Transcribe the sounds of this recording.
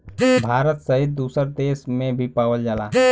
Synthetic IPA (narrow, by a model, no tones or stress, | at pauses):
bʱaːɾət̪səɦɪt̪̚d̪uːsəɾd̪eːsmẽbʱipaːʋəld͡ʒaːlaː